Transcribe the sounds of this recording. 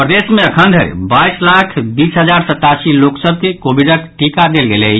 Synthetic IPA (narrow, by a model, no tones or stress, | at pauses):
pɾəd̪esmeəkʰənd̪ʱəɾ̰baislakʰbisɦəd͡ʒaɾsət̪ːasiloksəb̚kekobʱiɖəkʈikad̪elɡele